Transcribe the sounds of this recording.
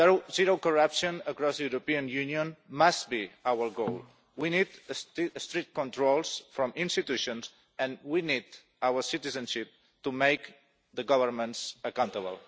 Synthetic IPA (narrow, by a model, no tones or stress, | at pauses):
oziɾokɔɹapʃõnəkɾɔsðəjuɾopiə̃njuniõnmast̚biawəɾɡol | winid̪əsst̪ɾik̚t̚kɔ̃nt̪ɾolˠsfɾɔ̃mʔĩnst̪it̪uʃõns | ə̃nwinid̪ | awəɾsit̪izə̃nʃip̚ | t̪umejk | ðəɡɔvəɾmə̃nsəkãw̃nt̪əβə̰lˠ